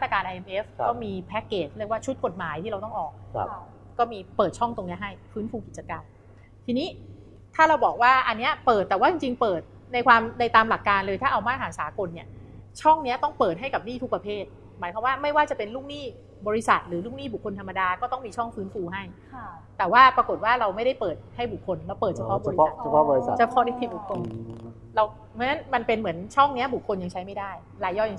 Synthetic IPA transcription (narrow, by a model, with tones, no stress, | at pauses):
ma˥t̪ɾa˧kaː˧nʔa˧ʔe˧mpːʔe˦˥fkɔː˥˩miː˧pʰɛ˦˥kːeː˨˩ləkwaː˥˩t͡ɕʰu˦˥t̪̚ko˨˩t̪̚maː˩˦jt̪ʰiː˥ɾa˧wt̪ɔ˥˩ŋʔɔː˨˩k̚ | kɔː˥˩miː˧pɤː˨˩t̪̚t͡ɕʰɔ˥˩ŋt̪o˧ŋni˦˥ɐɦa˥˩jfɯː˦˥nfuː˧ki˨˩t͡ɕa˧ka˧m | t̪ʰiː˧niː˦˥ | t̪ʰaː˥˩ɾa˧wbɔː˨˩k̚waː˥˩ʔa˧nːi˦˥ɐpɤː˨˩t̪ːɛː˨˩waː˥˩t͡ɕi˧ŋt͡ɕi˧ŋpɤː˨˩t̪̚ | na˧jkʰwaː˧mda˧jt̪aː˧mla˨˩kːaː˧nlɤː˧jt̪ʰaː˥˩ʔa˧wmaː˥˩t̪̚ɦaː˩˦ŋsaː˩˦ko˧nːi˦˥˩ɐt͡ɕʰɔ˥˩ŋni˦˥ɐt̪ɔ˥˩ŋpɤː˨˩t̪̚ɦa˥˩jka˨˩p̚niː˥˩u˦˥pɾa˧pʰeː˥˩t̪̚ | maː˨˦jkwa˧mwaː˥˩ma˥˩jwaː˥˩t͡ɕa˨˩pe˧nluː˥˩k̚niː˥˩ | bɔː˧ɾi˧˥sa˨˩t̪̚ɾɯː˩˦luː˥˩k̚niː˥˩bu˨˩kʰːo˧nt̪ʰa˧mːa˧daː˧kɔː˥˩t̪ɔ˥˩ŋmiː˧t͡ɕʰɔ˥˩ŋfɯː˦˥nfuː˧ɦa˥˩j | t̪ɛː˨˩waː˥˩pɾa˧ko˨˩t̪̚waː˥˩ɾa˧wma˥˩jɾa˥˩jpɤː˨˩t̪̚ha˥˩jbu˨˩kʰːo˧nlɛ˦˥wpɤː˨˩t̪t͡ɕʰa˧pʰɔ˦˥bɔ˧i˦˨˩pʰɔ˦˥bɔ˧i˧˨˩t͡ɕa˧˩pʰɔ˦˥ni˦˥t̪ʰi˧˥bu˨˩kʰːo˧n | ɾa˧w | m˦˥na˦˥nma˧npe˧nmɯ˩˦ənt͡ɕʰɔ˥˩ŋni˦˥ɐbu˨˩kʰːo˧nja˧ŋt͡ɕʰa˦˥jma˥˩jdaː˥˩j | laː˧˩jɔː˥˩ja˧ŋ